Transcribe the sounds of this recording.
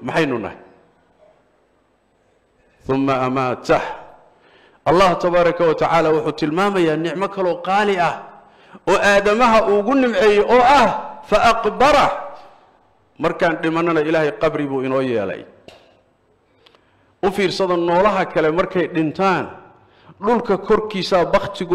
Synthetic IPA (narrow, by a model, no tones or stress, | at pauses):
mɑħɑjnʊnɐ̰hɪ | θʊmːɐʔɐmaːt̪ʰɐh | ʔɑlːɑːht̪ʰɐβaːɾˤɐkʰɐwɐt̪ʰɐʕaːlaːwʊħuːt̪ʰɪlmaːmɐjaːnɪʕmɐkʰɐlɔːqɑːlɪɐh | ɔːʔaːðɐmɐɦɐʔʊɣʊnɪmʕɛːjɛjʔɔːɐhfɐʔɑqbɑɾɐ | mɐrkʰaːnɖɪmɐnɐnɐɪlaːhɛjqɑbrɪβuːɪnɔːjɛ̰ːlɛ̰j | ʔʊfiːrsɐðɐnɔːlɐɦɐkʰɐlɛmɐrkʰɛjɖɪnt̪ʰaːn | ɖʊlkʰɐkʰɔrkʰiːsaːbɑqt̪ʰɪɣʊ